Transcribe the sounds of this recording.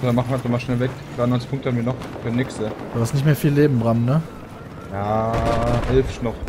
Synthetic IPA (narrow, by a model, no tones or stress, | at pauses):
danmaχnviatzɔmaʃnɛlvɛkɡ̥ʁaːdnɔʏnt͡sɪ̥ç̥pʰʊŋk̚təhanviɐnɔχfːnɪksəd̥uːhastnɪçtmeːɐfiːlːeːbm̩bʁamnə | jaːʔɛlfnɔχ